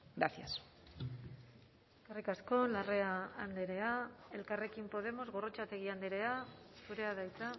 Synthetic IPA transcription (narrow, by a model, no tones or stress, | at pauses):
ɡɾaθja̰s | karikasko̞lare̞aːnd̪eɾe̞ae̞lkare̞kimpo̞ð̞e̞mo̞zɣo̞ro̞t͡ʃat̪e̞ɣ̞iand̪eɾe̞asuɾe̞að̞ajt͡sa